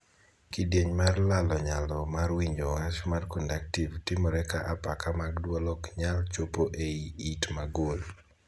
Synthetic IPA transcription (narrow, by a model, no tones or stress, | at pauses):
kidjeɲmarlalɔɲalɔmarwiɲowat͡ʃmarkɔndaktivtɪmɔɾɛkaʔapakamaɡdwolɔkɲalt͡ʃopoʔeiitmaɡol